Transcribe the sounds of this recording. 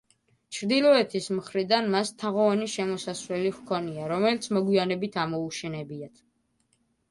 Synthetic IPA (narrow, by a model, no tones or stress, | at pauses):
t͡ʃʰɾd̪ilˠɔɛt̪ʰismχɾid̪anmast̪ʰaʁɔvaniʃɛmɔsasvɾɛliχkʰɔniaɾɔmɛlit̪sʰmɔɡwianɛbit̪ʰamɔuʃɛnɛbiat̪ʰ